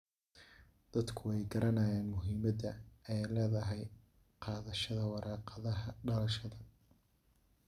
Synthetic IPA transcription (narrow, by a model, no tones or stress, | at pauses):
d̪̥ɐd̪kʰʊɛjɡɐɾɐnaːjɛːnmʊɦiːmɐd̪ɐɛjlɛːðɐɦɛj | qɑːðɐʃɐðɐwɑɾʔɑːqɑðɐɦɐɖɐlɐʃɐðɐ